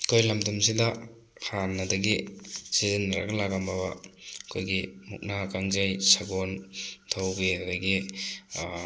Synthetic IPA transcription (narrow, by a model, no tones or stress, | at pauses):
kʰojlamdumsidɐ | hʰanːɐdɐɡisizinːaɾa̰ɡɐlaɡambaba̰kʰojɡimṵk̚nakaŋzajsaɡontʰawbiadaɡi